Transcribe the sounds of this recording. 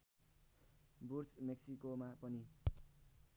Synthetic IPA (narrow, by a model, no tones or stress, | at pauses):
bursmeksikomapʌni